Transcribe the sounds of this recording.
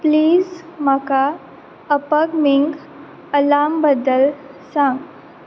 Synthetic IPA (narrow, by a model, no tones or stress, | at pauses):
pliːzmaka | əpəɡmiŋɡ | əlambəd̪əlsãŋɡ